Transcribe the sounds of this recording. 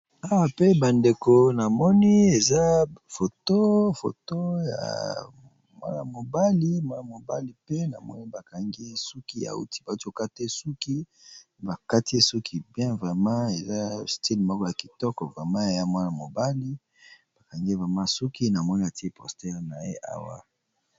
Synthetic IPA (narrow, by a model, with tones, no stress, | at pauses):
a˦wa˨pe˦ba˨nde˨ko˨na˨mɔ˦ni˦e˨za˦fo˨to˦fo̰˨to˦ja̰˨ | mwa̰˦na̰˨mo˨ba˦li˦mwa˦na˨mo˨ba˦li˨pe˦na̰˨mɔ̰˦ni˦ba˨ka˨ŋɡi˦su˦ki˦a̰˨ṵ˦ti˦ba˨u˦to˦˨ka˦te˦su˦ki˦ | ba˨ka˦ti˦e˦su˦kʰi˦˨bjɛ̃˦vʁe˨mã˦e˨za˦sti˦li˨mɔ˦kɔ˦ja˨ki˨tɔ˦kɔ˨vʁe˨mã˦e˨ja˦mwa˦na˨mo˨ba˦li˦ | b̥a˨ka˨ŋɡe˦vɛ˨ma˦su˦ki˦na˨mɔ˦ni˦a˨ti˦e˦pɔ˨stɛ˦ʁna˨jḛ˦ʔa̰˦wa̰˦